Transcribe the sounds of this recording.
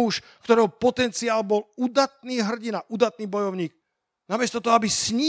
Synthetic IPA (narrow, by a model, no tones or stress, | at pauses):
uʃ | kt̪ɔɾɛɦɔpɔt̪ɛnt͡siaːlbɔlud̪at̪̚niːɦr̩ɟinaʔud̪at̪̚niːbɔjɔʊɲiːk | namɪɛst̪ɔt̪ɔɦɔabisɲiː